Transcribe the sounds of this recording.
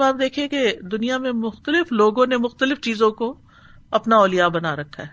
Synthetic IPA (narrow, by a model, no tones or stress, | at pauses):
baːp̚d̪eːkʰieked̪ʊnijamẽmʊxt̪əlɪfloːɡõnemʊxt̪əlɪft͡ʃiːzõko | ɐpnaɔːlijabɐnaɾɐkʰːaɦɛː